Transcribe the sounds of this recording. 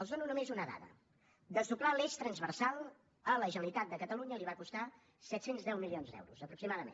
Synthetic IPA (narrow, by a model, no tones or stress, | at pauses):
əlˠzðonunumezunəða̰ðə̰ | d̪əsuklaleʃt̪ɾənzβərsalˠ | ələʒənəlit̪at̪̚d̪əkət̪əluɲəliβakust̪a | sɛt̪senzðɛwmilionzd̪ɛ̰wɾuzəpɾuksimaðəmḛn